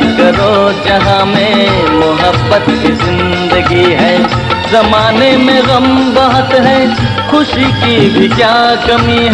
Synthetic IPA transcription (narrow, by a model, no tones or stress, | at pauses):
kɐɾod͡ʒɐɦãmẽ | mʊɦəbːət̪kizɪ̃n | d̪əɡiɦɛː | zɐmaːnemẽɣɐmbɐɦət̪ɦɛː | xʊʃikibʱikjaːkɐmiɦ